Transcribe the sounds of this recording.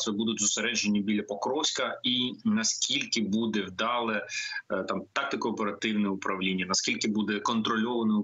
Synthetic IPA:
sɛbud̪ʊtʲzʊseɾɛd͡ʒenʲːibʲilʲːɐpɔkɾɔsʲkɐinɐskʲilʲkɪbud̪ɛwd̪ɑlˠɛt̪ɑmt̪ɑk̚t̪ɪkʊɔpeɾɐt̪ɪwnɛʊpɾɐwlʲinʲːɐnɐskʲilʲkɪbud̪ɛkɔnt̪ɾɔlʲɔʋɐnɔ

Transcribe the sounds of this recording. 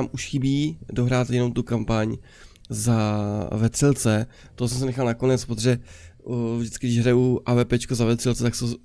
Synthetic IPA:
aːmʔuʃxɪbiːdoɦɾaːt̪jɛnomt̪ukampaɲ | zavɛt̪r̥ɪlt͡sɛ | t̪oɦosɛmsɛnɛxalnako̞nɛt͡spɾot̪oʒɛ | vʒdɪt͡skɪɡdɪʒɦɾauʔaːvɛːpɛːt͡ʃkozavɛt̪r̥ɪlt͡sɛt̪akst̪o

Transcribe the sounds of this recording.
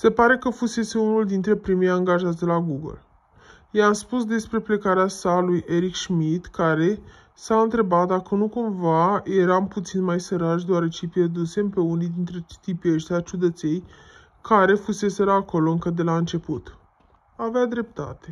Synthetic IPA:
se̞paɾe̞kəfuse̞se̞unuld̪int̪ɾe̞pɾimejaŋɡaʒat̪ʲd̪elaɡuɡə̰l | jeamspusd̪e̞spɾe̞ple̞kaɾeasalujʔe̞ɾikʃmit̪kaɾe̞ | saɨnt̪ɾe̞bat̪̚d̪akənukumvaje̞ɾamput̪sinmajsəɾaʃ̬d̪oaɾet͡ʃepjerd̪use̞mpe̞unijd̪int̪ɾet̪ipjeʃt̪ʲat͡ʃud̪ət̪se̞j | kaɾe̞fuse̞se̞ɾəako̞lo̞ɨŋkəd̪e̞laɨnt͡ʃe̞put̪ | avead̪ɾe̞p̚t̪a̰t̪e̞

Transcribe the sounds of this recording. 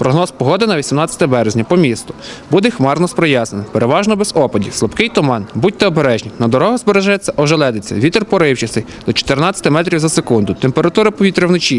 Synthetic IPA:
pɾɔɦnɔspɔɦɔd̪ɪnɐʋʲisʲimnɑt͡sʲɐ̥t̪ɐbɛɾezʲnʲɐpɔmʲist̪ʊbud̪ɛxmɑrnɔspɾɔjɑsnenɪpeɾeʋɑʒnɔbez̥ɔpɐdʲislˠɔpkɪjt̪ʊmɑnbut̚ʲt̪ɐɔbeɾɛʒnʲixnɐd̪ɔɾɔɦɐzbeɾeʒɑjɛt͡sʲːɐʔɔʒɛlˠɛd̪et͡sʲːɐ̰ʋʲit̪rpɔɾɪwt͡ʃɐsɪ | d̪ɔt͡ʃɔ̥t̪ernɑt͡sʲɐ̥t̪ɪmɛt̪ɾʲiwzɐsekund̪ʊt̪empeɾɐt̪uɾɐpɔʋʲit̪ɾɪwnɪt͡ʃi

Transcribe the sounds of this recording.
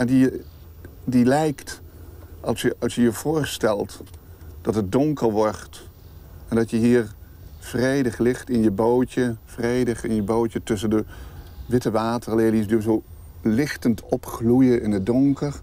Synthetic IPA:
ɛndi | dilɛjkt | ʔɑlˠsjəɑlˠsjəjəv̥ʊːɹstɛlˠtd̥ɑtət̚dɔŋkəlʋɔɹt | ɛndɑtjəɦiːɹ | v̥rejdəχlɪχtɪnjəbowtəv̥rejdəχɪnjəbowtətɵs̬əndəʋɪtəʋaːtərleːliəsdyːzo | lɪχtəntʰɔpχlujəʔɪnədɔŋkər

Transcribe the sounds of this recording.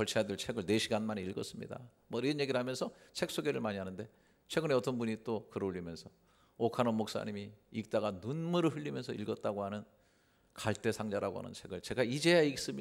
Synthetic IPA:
kʌɭt͡ɕʰejadeɭt͡ɕʰe̞ɡɯɭne̞ɕʰiɡanmaneiɭɡʌs͈ɯmɲḭda̰ | mʌiɾʌnje̞ɡiɾɯɭɦamjʌnsʰʌt͡ɕʰe̞k̚s͈oɡe̞ɾɯɭmaɲiɦanɯnde̞ | t͡ɕʰwe̞ɡɯneʌt͈ʌnbuɲit͈okɯɾʌuʎːimjʌnsʰʌ | okʰanʌmok̚s͈a̰ɲimiik̚t͈aɡanunmuɾɯɭɸɯʎːimjʌnsʰʌilɡʌt̚t͈aɡohanɯn | kaɭt͈e̞sʰaŋd͡ʑaɾaɡo̰ɦa̰nɯ̰nt͡ɕʰe̞ɡɯɭt͡ɕe̞ɡaid͡ʑejaiks͈ɯmɲi

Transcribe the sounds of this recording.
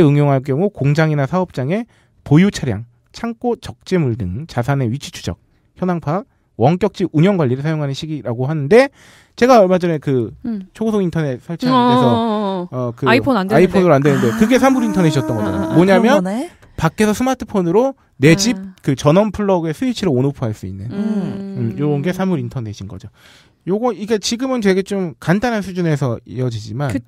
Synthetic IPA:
ɯŋjoŋɦaɭk̬͈jʌŋukoŋd͡ʑaŋinasʰaʌp̚t͡ɕ͈aŋe̞ | pojut͡ɕʰaɾja̰ŋ | t͡ɕʰaŋk͈ot͡ɕʌk̚t͡ɕ͈e̞muɭdɯŋt͡ɕasʰane̞ɥit͡ɕʰu̥t͡ɕʰu̥d͡ʑʌ̰k̚ | çjʌnaŋpʰak̚ | wʌŋk͈jʌk̚t͡ɕ͈iuɲjʌŋɡwaʎːiɾɯɭsʰajoŋɦanɯnɕʰiɡiɾaɡohanɯnde̞ | t͡ɕe̞ɡaʌɭmad͡ʑʌnekɯt͡ɕʰoɡosʰoɡintʰʌne̞t̚s͈ʰaɭt͡ɕʰaeʌʌkɯipʰdaipʰonɯɾoandwenɯnde̞kɯɡe̞sʰamuɾintʰʌneɕʰʌt͈ʌnɡʌd͡ʑo̰moɲamjʌn | pak͈ʰːe̞sʰʌsʰɯmatʰɯ̥pʰonɯɾo | ne̞d͡ʑip̚kɯt͡ɕʌnʌnpʰɯɭːʌɡe̞sʰuit͡ɕʰiɾoonopʰuɦaɭs͈uḭnːɯnɯjoɡʌnɡe̞sʰamuɾintʰʌne̞ɕʰinɡʌ̰d͡ʑo | joɡʌiɡet͡ɕiɡɯmɯnt͡ɕwe̞ɡe̞t͡ɕomkandanɦansʰud͡ʑune̞sʰʌjʌd͡ʑid͡ʑiman

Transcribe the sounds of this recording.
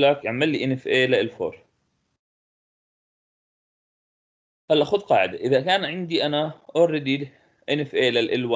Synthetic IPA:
lakjaʕmalːiʔɪnɪfʔeːlaʔɪlfo̰ːɾˤ | halːʔaxʊd̪qɑːʕɪd̪aʔɪðakaːnʕɪnd̪iʔanaʔoɾˤɪd̪i | ʔɪnɪfʔeːlɪlʔɪlwa

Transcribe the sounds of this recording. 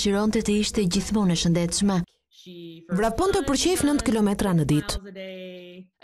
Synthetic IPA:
ʃiɾɔnt̪ɛt̪əiʃt̪ɛɟiθmunɛʃənd̪ɛt̪ʃmɛ | vɾavpɔnt̪əpəɾt͡ɕɛfnənt̪kilɔmɛt̪ɾanəd̪it̪

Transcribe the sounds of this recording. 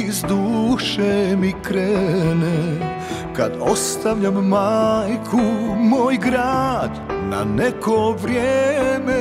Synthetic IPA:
izd̪uːʃemikɾɛne | ka̰d̪ost̪aʋʎamːajkʰumoːjɡɾad̪na̰nɛkʰoʋɾjeːme

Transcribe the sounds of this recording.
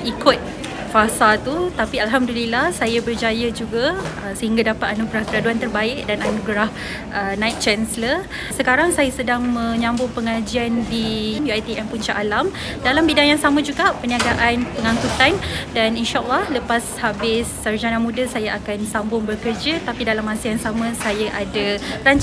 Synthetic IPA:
ʔikʊt̪̚ | fasat̪ut̪apialɦamdulilahsajabərd͡ʒajad͡ʒuɡasəhiŋɡadapat̪anuɡɾahkəɾaduant̪ərbaɪk̚dananũɡɾah | ʔənãjt̪̚t͡ʃɛnsələr | səkaɾaŋsajasədaŋmə̃ɲambʊŋpəŋad͡ʒiandimjuajt̪iʔɛmpuɲt͡ʃaʔalam | dalambidaŋjaŋsamãd͡ʒuɡaʔpəniaɡaʔanpəŋãŋkut̪andaninʃaʔalːahləpashabɪsːard͡ʒanamũdəsajaʔakansambʊŋbərkərd͡ʒət̪apidalamasəjaŋsamãsajaʔadaɾaɲt͡ʃ

